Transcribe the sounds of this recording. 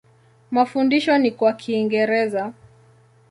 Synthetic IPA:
mafundiʃɔnikwakʰiːŋɡɛɾɛza

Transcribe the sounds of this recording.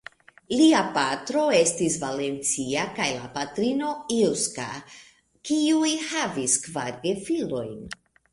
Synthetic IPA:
liapatɾo̞e̞stisvale̞nt͡siakajla̰patɾino̞ilska̰ | kiujhaviskvaɾɡefilo̞jn

